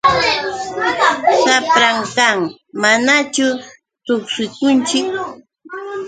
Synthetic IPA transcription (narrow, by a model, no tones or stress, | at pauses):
sapɾaŋkaŋ | manat͡ʃʊ | t̪oksɪkʊnt͡ʃɪk